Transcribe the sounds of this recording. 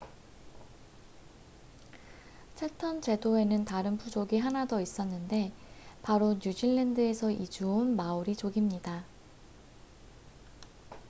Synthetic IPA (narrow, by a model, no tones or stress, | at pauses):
t͡ɕʰetʰʌnt͡ɕe̞doe̞nɯntaɾɯnpʰud͡ʑoɡiɦanadʌis͈ʌnːɯnde̞paɾoɲjud͡ʑiɭːendɯe̞sʰʌʔid͡ʑuonmauɾit͡ɕoɡimɲida